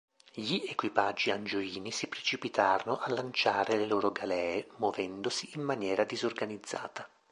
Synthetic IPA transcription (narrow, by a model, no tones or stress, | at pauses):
ʎiekwipad͡ʒːiand͡ʒoiːnisipɾet͡ʃipit̪aːɾonoʔalːant͡ʃaːɾeleloːɾoɡalɛːemwovɛnd̪osiːmːanjɛːɾad̪izorɡanid̪zːa̰ːt̪a